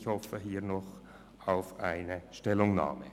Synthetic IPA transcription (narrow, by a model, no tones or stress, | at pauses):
çhɔfəɦiːʁnɔχ | aʊfʔaɪnəʃtɛlʊŋna̰ːmə̰